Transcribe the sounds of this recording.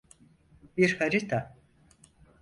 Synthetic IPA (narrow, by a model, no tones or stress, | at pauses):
biɾhaɾit̪ʰa